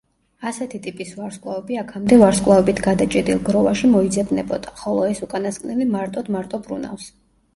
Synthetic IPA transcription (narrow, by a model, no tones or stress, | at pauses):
asɛt̪ʰit̪ʼipʼisvaɾskʼlˠavɛbiakʰamd̪ɛvaɾskʼlˠavɛbit̪ʰɡad̪at͡ʃʼɛd̪ilˠɡɾɔvaʃimɔid̪zɛbnɛbɔd̪̥aχɔlˠɔɛsukʼanast̪kʼnɛlimaɾt̪ʼɔd̪̥maɾt̪ʼɔbɾṵna̰fs